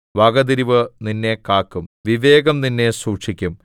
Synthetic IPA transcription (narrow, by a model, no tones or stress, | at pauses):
ʋaːɡɐd̪iɾiʋɨninːe̞kaːkːumʋiʋe̞ːɡɐmninːe̞suːkʂikʲːum